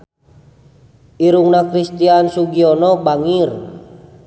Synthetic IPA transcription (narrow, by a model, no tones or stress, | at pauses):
iɾuŋnakɾist̪iansuɡiɔnɔbaŋir